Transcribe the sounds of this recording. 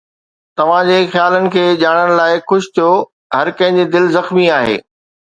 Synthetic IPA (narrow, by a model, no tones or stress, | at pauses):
t̪ɐʋ̤ãd͡ʑeːxjaːlənɪ̆kʰeːʄaːɽ̃əɽ̃̆laːɪxʊʃt̪ʰijo | ɦɐɾkɐ̃ɦɪ̃ɲd͡ʑed̪ɪlzɐxmiaːɦḛː